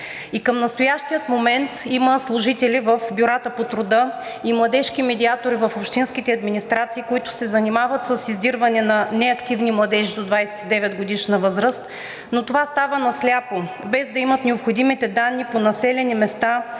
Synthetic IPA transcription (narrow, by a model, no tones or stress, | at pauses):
ikəmnɐst̪ojaʃt̪ijət̪momɛnt̪iməslˠʊʒit̪ɛlʲivəfbʲjuɾat̪əpot̪ɾʊd̪ɤ | imlˠɐd̪ɛʃkimɛd̪iat̪oɾivəfopʃt̪inskit̪ɛɐd̪minist̪ɾat̪siːkoit̪ʊ̥sɛzɐnimavət̪səsizd̪iɾvɐnɛnɐnɛɐkt̪ivnimlˠɐd̪ɛʒid̪od̪vajsɛ̥id̪ɛvɛt̪d̪ɡod̪iʃnɐvɤzɾəst̪ | not̪ovast̪avənɐslʲapo | bɛzd̪ɐimət̪nɛopxod̪imit̪ɛd̪anːiponɐsɛlʲɛnimɛst̪a